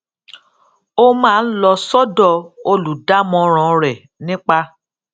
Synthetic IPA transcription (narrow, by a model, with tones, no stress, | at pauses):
o˦mãː˦˧n̩˦lɔ˧sɔ˦dɔ˦˨o˧lu˨da˦mɔ̃˧ɾ̃ɔ̃˨ɾɛ˨ | nĩ˦k͡pa˦